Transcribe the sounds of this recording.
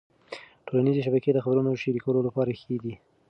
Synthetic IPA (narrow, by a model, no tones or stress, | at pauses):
ʈolanizeʃabaked̪əxabɾunoʃeɾikawəlolapɑɾaxed̪i